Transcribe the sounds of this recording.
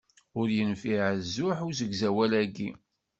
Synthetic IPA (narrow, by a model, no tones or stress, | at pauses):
ʊɾjənfiʕzːʊħʊɾzəɡzæwælæɡːi